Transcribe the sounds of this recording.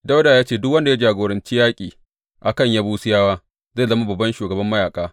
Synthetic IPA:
da˦wdaː˨jaː˦t͡ʃeː˦˨dʊ˦kwɐ˦nda˨ja˦d͡ʒaː˨ɡoː˨ɾɐ˨nt͡ʃiː˦jaː˦kʲʼiː˨ | ʔa˨kɐ˦˨ɲjaː˦buː˦sɪ˦jaː˦waː˦ | za˦˨zɐ˦ma˦bɐ˨bːɐ˦nʃuː˨ɡɐ˨bɐ˦mːɐ˦jaː˨kʼaː˦

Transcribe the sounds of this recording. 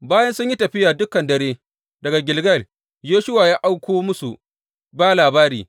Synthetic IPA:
baː˦jɐ˦nsʊ˦ɲji˦tɐ˨ɸɪ˦jaː˨dʊ˦kɐ˨ndɐ˨ɾeː˦ | dɐ˨ɡa˨ɡʲɪ˨lɡɐ˦˨l | joː˦ʃʊ˦waː˨jaː˦ʔa˦wkʷoː˦mʊ˦su˨ | baː˦laː˨baː˦ɾḭː˨

